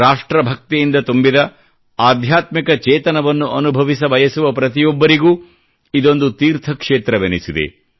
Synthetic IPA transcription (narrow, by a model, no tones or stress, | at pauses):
ɾaːʂʈɾɐbʱɐk̚t̪ijind̪ɐt̪umbid̪ɐ | aːd̪ʱjaːt̪mikɐt͡ʃɛːt̪ɐnɐʋɐnːuʔɐnubʱɐʋis̬ɐbɐjɐsuʋɐpɾɐt̪̬ijɔbːɐɾiɡuː | id̪o̞nd̪ut̪iːɾt̪ʰɐkʂeːt̪ɾɐʋenisid̪ḛ